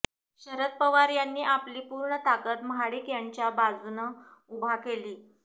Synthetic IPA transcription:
ɕəɾət̪̚pəʋaɾjanːiːʔapliːpuːɾɳət̪akət̪məɦaɽiːkjaɲt͡ɕjabad͡zunəubʱakeliː

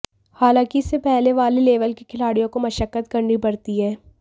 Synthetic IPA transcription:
haːlãːkiɪsːepɛɦleʋaːleleːʋəlkikʰɪlaːɽijõkomɐʃəkːət̪kɐɾnipɐɽt̪iɦɛː

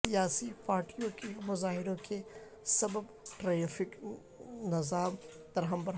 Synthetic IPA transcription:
ijaːsipaːɾʈijõkemʊzaːɦɪɾõke | sɐbəb | ʈɾaːjãːfɪk | nɐzaːm | d̪ɐɾɦə̃mbɐɾ

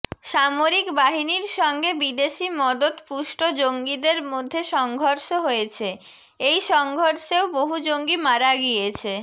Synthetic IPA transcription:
ʃamoɾikbaɦiniɾʃɔŋɡebid̪eʃimɔd̪ot̪puʃʈod͡ʑoŋɡid̪eɾmod̪ʱːeʃɔŋɡʱoɾʃoɦojet͡ɕʰe | ejʃɔŋɡʱoɾʃeoboɦud͡ʑoŋɡimaɾaɡiet͡ɕʰe

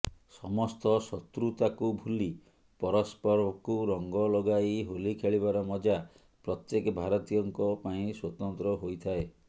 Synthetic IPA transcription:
sɔmɔst̪ɔsɔt̪ɾut̪akubʱuli | pɔɾɔspɔɾɔkuɾɔŋɡɔlɔɡaiɦolikʰeɭiβaɾɔmɔd͡ʒa | pɾɔt̪jekɔbʱaɾɔt̪ijɔŋkɔpaĩswɔt̪ɔnt̪ɾɔɦojt̪ʰae

